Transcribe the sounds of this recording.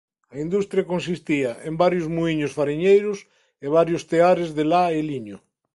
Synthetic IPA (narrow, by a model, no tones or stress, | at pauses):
ɐind̪ust̪ɾjakons̬ist̪iɐʔembaɾjozmuiɲosfaɾiɲejɾʊs | eβ̞aɾjost̪eaɾezðelaeliɲo